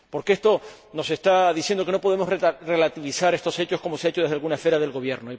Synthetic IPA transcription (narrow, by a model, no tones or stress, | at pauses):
po̞ɾkee̞st̪o̞ | no̞se̞st̪aðiθjend̪o̞ke̞no̞po̞ð̞e̞mo̞srre̞lat̪iβisaɾe̞st̪o̞se̞t͡ʃo̞shko̞moseaet͡ʃoð̞e̞ɦðalɣunaesfe̞ɾaðe̞lɣo̞βje̞ɾnoi